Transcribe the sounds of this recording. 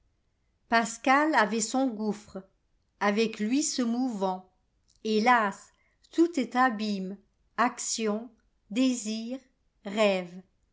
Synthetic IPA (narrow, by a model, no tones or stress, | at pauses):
paskalavɛsɔ̃ɡufχ | avɛklɥisəmuvɑ̃ | elas | t̪ut̪ɛt̪abim | aksjɔ̃ | d̪eziːʁ | ʁɛv